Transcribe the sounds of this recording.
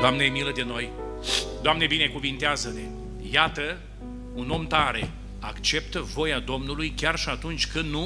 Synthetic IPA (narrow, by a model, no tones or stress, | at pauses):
d̪oamneemiləd̪e̞no̞j | d̪oamne̞bine̞kuvint̪eazəne | jat̪ə | uno̞mt̪aɾe̞ | akt͡ʃe̞pt̪əvo̞jad̪o̞mnulujkʲarʃiat̪unt͡ʃʲkɨnd̪nu